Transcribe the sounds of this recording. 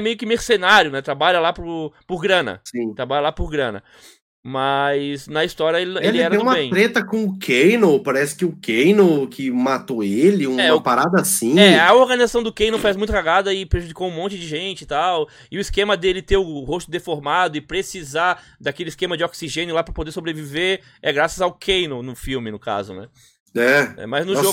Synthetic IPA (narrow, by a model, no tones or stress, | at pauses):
ɛmejʊkɪmeɾsenaɾjʊnɛt̪ɾabaʎɐlapɾʊpʊɾɡɾɐ̃nɐ̰sĩt̪ɾabaʎɐlapʊɾɡɾɐ̃nɐ̰ | mɐznɐist̪ɔɾjɐelɪelɪɛɾɐẽũmɐẽj̪̃ɾet̪ɐkõʊkʰejnopaɾɛsɪ̥kɪʊkʰejnokʰɪmat̪oelɪũɛʊpaɾad̪ɐasĩɐoɾɡɐnizasɐ̃w̃d̪ʊkejnowfezmũj̃t̪ʊkaɡad̪ɐɪpɾeʒud͡ʒikowũmõnt͡ʃɪd͡ʒɪʒẽt͡ʃɪt̪aw | ɪʊiskẽmɐd̪elɪt̪eɾʊhost̪ʊd̪efoɾmad̪ʊɪpɾesiza | d̪akelɪiskẽmɐd͡ʒɪoksiʒẽnjʊlapɾɐpod̪eɾsobɾeviveɾ | ɛɡɾasɐzawkʰejnownʊfiwmɪnʊka̰zʊ̰nɛ̰ | ɛɛ̰majznʊʒo